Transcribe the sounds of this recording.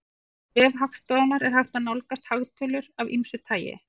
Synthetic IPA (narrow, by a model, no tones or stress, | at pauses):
vɛvɦakst̪awnaɾɛɾ̥hawht̪anawlkast̪haɣt̪ʰœlʏɾavimsʏt̪ʰaːjɪ̰